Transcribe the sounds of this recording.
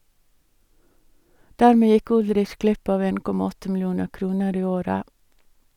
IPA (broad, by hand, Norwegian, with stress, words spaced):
ˈdæɾˌmeː ˈjɪk ˈʊlɾɪç ˈɡlɪp ˈɑːʋ ˈeːn ˈkɔmɑ ˈɔtə ml̩ˈjuːnə ˈkɾuːnəɾ ˈiː ˈoːɾə